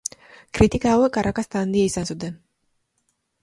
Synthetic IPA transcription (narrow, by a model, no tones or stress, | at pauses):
kʼɾit̪ʼikawɛkʼaɾʔakast̪ʰʼand̪iɛisansud̪ɛ